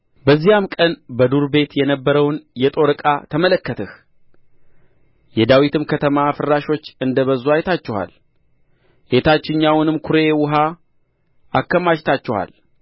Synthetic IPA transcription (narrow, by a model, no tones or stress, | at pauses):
bəzːijamkʼənbəd̪uɾbe̞t̪jɛnəbːəɾəwnjɛt̪ʼo̞ɾɨkʼat̪ʰəmələkːət̪ʰəh | jɛd̪awit̪ɨmkʰət̪ʰəmafɨɾːaʃo̞t͡ʃːɨnd̪əβəzuajt̪ʰat͡ʃːɛha̰l | ʔet̪ʰat͡ʃːɪɲːawnɨmkʰʊɾe̞wʊɦa | ʔakːəmaʃt̪ʰat͡ʃːɛhwa̰l